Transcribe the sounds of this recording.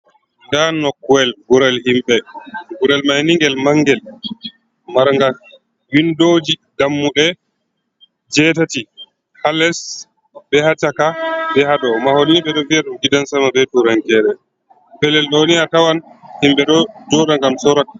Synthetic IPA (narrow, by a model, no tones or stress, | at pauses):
ndanɔkːuwɛlɡuɾɛlhimɓɛɡuɾɛlmajniŋɡɛlmaŋɡɛl | maɾŋɡas | windoːd͡ʒiɡamːuɗɛ | d͡ʒɛtati | halɛs | bɛhatakabɛhaɗɔmahoniɓɛɗɔviaɗumɡidansamabɛtuɾaŋkɛɾɛ | pɛlɛlɗɔniatawanhimɓɛɗɔd͡ʒɔɗaŋɡamsɔɾak